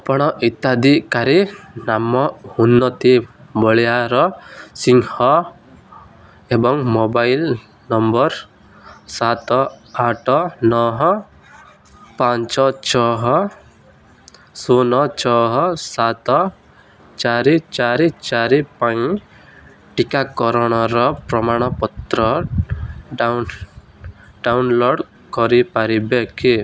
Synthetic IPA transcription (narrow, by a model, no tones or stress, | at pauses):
apɔɽ̃ɔʔit̪ad̪ikaɾinamːɔunːɔt̪ibɔɭijaɾɔsiŋhɔ | ebɔŋmɔbail | nɔmbɔɾ | sat̪ɔaʈɔnɔɦɔ | pãɲt͡ʃɔt͡ʃɔɦɔ | sonɔt͡ʃɔɦɔsat̪ɔ | t͡ʃaɾit͡ʃaɾit͡ʃaɾipaĩ | ʈikakɔɾɔɽ̃ɔɾɔpɾɔmaɽ̃ɔpɔt̪ɾɔ | ɖawnloɽ | kɔɾipaɾibeki